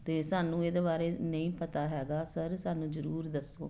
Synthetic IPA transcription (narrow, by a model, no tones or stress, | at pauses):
t̪eːsaːnũːeːd̪eːβaːɾeːnəĩːpət̪aːɦɛːɡaːsəɾsaːnũːzəɾuːɾd̪əsːo̰ː